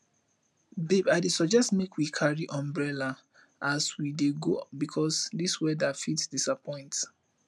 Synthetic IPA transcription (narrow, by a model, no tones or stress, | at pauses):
bibaɪdesɔd͡ʒɛstmekʰwikʰaɹiʔɔ̃mbɹɛla | aswideɡobikʰɔsdiswɛdafitsdisapʰɔ̃ɪ̃nt